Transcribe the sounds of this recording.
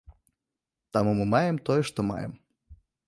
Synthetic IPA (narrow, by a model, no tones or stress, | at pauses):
t̪amumɨmajɛmt̪ɔjɛʂt̪ɔma̰jɛ̰m